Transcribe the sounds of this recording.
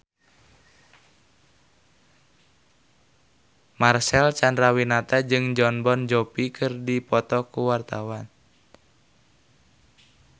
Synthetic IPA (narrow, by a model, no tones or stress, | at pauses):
marsɛlt͡ʃandɾawinat̪ad͡ʒɨŋd͡ʒɔnbɔnd͡ʒɔpikɨrdipɔt̪ɔkuwart̪awan